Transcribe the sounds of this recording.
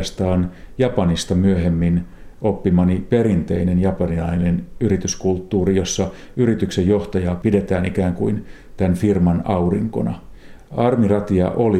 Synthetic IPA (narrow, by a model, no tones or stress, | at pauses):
st̪ɑːnjɑpɑnist̪ɑmyøhemːinʔopːimɑnipeɾint̪ḛinenjɑpɑnilɑinenyrit̪yskult̪ːuːrijosːɑ | yɾit̪yksejjoht̪ɑjɑːpidet̪æːnikæːŋkuin | t̪ænfirmɑnɑuriŋko̰nɑ̰ | ɑrmirɑt̪iɑ̰ʔoli